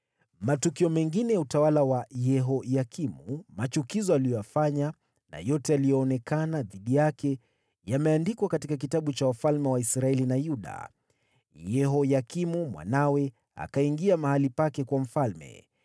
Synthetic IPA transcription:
matukiɔmɛŋɡinɛjautawalawajɛɦɔjakimumat͡ʃukizɔalijɔjafaɲa | na̰jɔtɛalijɔːnɛkanaðiɗijakɛ | jamɛandikwakatikak̬itaɓut͡ʃawafalmɛwaisɾaɛlinajuɗa̰ | jɛɦɔjakimumwa̰nawɛ | a̰kaiŋɡiamahalipakɛkwam̩falmɛ̰

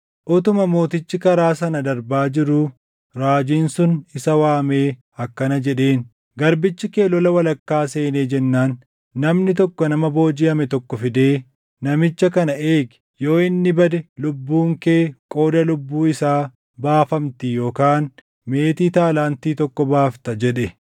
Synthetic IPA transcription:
ʔɔt̪ʊmɐmo̞ːt̪ɪt͡ʃːɪkɐɾaːsɐnɐd̪ɐɾbaːd͡ʒɪɾuː | ɾaːd͡ʒiːnsʊnɪsɐwaːme̞ː | ɐkːɐnɐd͡ʒɛᶑe̞ːn | ɡɐɾbɪt͡ʃːɪke̞ːlɔlɐwɐlɐkːaːse̞ːneːd͡ʒɛnːaːnː | ɐmnɪt̪ɔkːɔnɐmɐbo̞ːd͡ʒɪɐmɛt̪ɔkːɔfɪd̪eː | ɐmɪt͡ʃːɐkɐnɐʔeːɡɪ̥ | jo̞ːɪnːɪbɐd̪ɛlʊbːuːŋke̞ːkʼo̞ːd̪ɐlʊbːuːɪsaː | baːfɐmt̪ɪjo̞ːkaːn | me̞ːt̪iːt̪aːlaːnt̪iːt̪ɔkːɔbaːft̪ɐd͡ʒɛᶑɛ

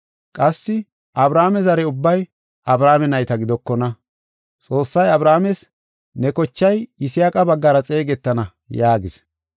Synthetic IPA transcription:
kʼɐsːɪ | ʔɐbɾaːmɛzɐɾɛʊbːɐj | ɐbɾaːmɛnɐjt̪ɐɡɪd̪ɔkːɔnɐ | t͡sʼo̞ːsːɐjɐbɾaːmɛs | nɛkɔt͡ʃːɐjɪsɪjaːkʼɐbɐɡːɐɾɐt͡sʼe̞ːɡɛt̪ːɐnɐ | jaːɡɪs

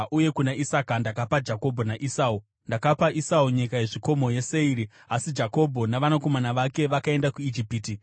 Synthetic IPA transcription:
uje̞kunaʔisakandakapad͡ʒako̞bʱo̞naʔisaːu | ndakapaʔisauɲikaje̞ʐiko̞mo̞je̞se̞iːɾi | asid͡ʒako̞bʱo̞naʋanako̞manaʋake̞ʋakae̞ndakuid͡ʒipiːti

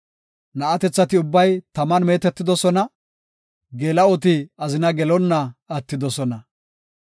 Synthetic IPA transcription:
nɐʔɐt̪ɛt͡sːɐt̪ɪʊbːɐjt̪ɐmɐnme̞ːt̪ɛt̪ːɪd̪ɔsɔnɐ | ɡeːlɐɔt̪̬ɪɐzɪnɐɡɛlɔnːɐɐt̪ːɪd̪ɔsɔnɐ

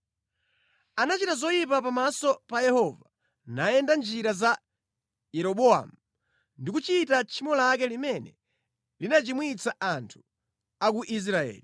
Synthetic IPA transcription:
anat͡ʃitazɔjip̬apamasɔpajɛhɔva | najɛndand͡ʒiɾaza | jɛɾɔɓɔa̰mu | ndikut͡ʃitat͡ʃʰimɔlak̬ɛlimɛnɛ | linat͡ʃimwit͡saʔantʰu̥ | ak̬uʔis̬ɾaɛ̰ːli

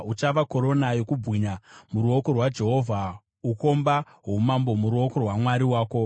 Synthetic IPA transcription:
ut͡ʃaʋako̞ɾo̞najo̞kubʱwiɲamuɾuoko̞rwad͡ʒe̞ɦo̞vʱa | uko̞mba | ɦomambo̞muɾuoko̞rwamwaɾiwaːko̞

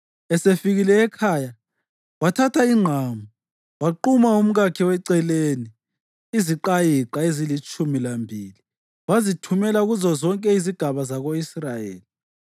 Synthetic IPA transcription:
ɛsefiɣilɛːkʰaːja | watʰatʰaiŋ͡ǃʱaːmu | waǃumaum̩ɣakʰiwɛǀɛleni | iziǃajiǃaezilit͡ʃʼumilambʱili | wazitʰumɛlauɣuzɔzɔŋkʼɛiziɡ̥ʱaβazaɣoisrajḛːli

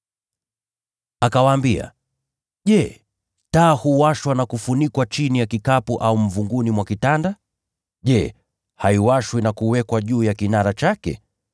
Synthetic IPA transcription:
akawaːmbia̰ | ʄɛ | taːhuwaʃwanakufunikwat͡ʃinijakikapuʔaum̩vuŋɡunimwakitanda | ʄɛ | haiwaʃwinakuwɛkwaʄuːjakinaɾat͡ʃakɛ̰

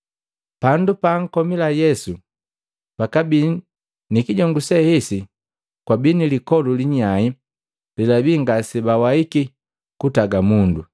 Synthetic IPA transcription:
pandupaːŋ̩kɔmilajɛsu | pakabi | nikiɟɔŋɡusɛhɛsi | kwabinilikɔluliɲai | lilabiŋɡasɛbawaiki | kutaɡamundu

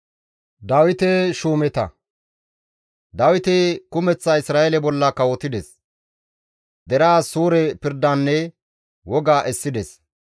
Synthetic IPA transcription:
d̪ɐwɪt̪ɛʃuːmɛt̪ɐ̰ | d̪ɐwɪt̪ɛkʊmɛt͡sːaɪsɾaːjelɛbɔlːakːɐwɔt̪ɪd̪ɛs | d̪ɛɾaːsuːɾɛpɪɾd̪anːɛ | wɔɡaːʔɛsːɪd̪ɛs

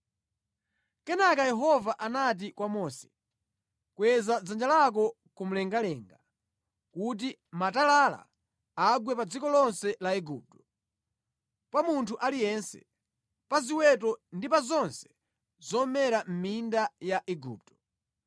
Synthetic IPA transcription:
kɛnakajɛɦɔvaʔanat̬ikwamɔːsɛ̥ | kwɛzad͡zand͡ʒalak̬ɔ | kum̩lɛŋɡalɛŋɡa | kut̬i | matalala̰ː | ɡwɛpad͡zikɔlɔnsɛlaɛɡṵːp̚tɔ̥ | pamuntʰuʔalijɛnsɛ̰ | paziwɛt̬ɔndipazɔnsɛ̥ | zɔmɛɾam̩mindajaʔɛɡṵːp̚tɔ̥

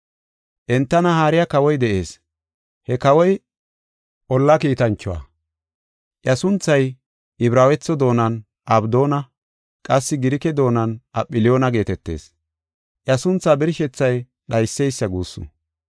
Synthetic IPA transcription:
ʔɛnt̪ːɐnɐhaːɾɪjɐkɐwɔjd̪ɛʔe̞ːs | hɛkɐwɔj | ʔɔlːɐkiːt̪ɐnt͡ʃːʊwa̰ | ʔjɐsʊnt͡sːɐj | ʔɪbɾaːwɛt͡sːɔd̪o̞ːnɐn | ʔɐbd̪o̞ːnɐ | kʼɐsːɪɡɪɾɪkɛd̪o̞ːnɐnʔɐpʼːɪlɪjoːnɐɡe̞ːt̪ɛt̪ːe̞̰ːs | ʔjɐsʊnt͡sːaːbɪɾɪʃɛt͡sːɐj | ɗɐjsːɛjsːɐɡuːsːʊ̰

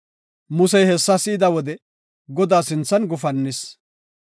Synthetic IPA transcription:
mʊsɛjhɛsːɐsɪɪd̪ɐwɔd̪ɛ | ɡɔd̪aːsɪnt͡sːɐnɡʊfɐnːɪs

